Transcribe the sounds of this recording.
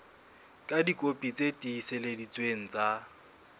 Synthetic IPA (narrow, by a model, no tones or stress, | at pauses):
kʼadikʼopʼit͡sʼetʼiiseledit͡sʼweŋ̩t͡sʼa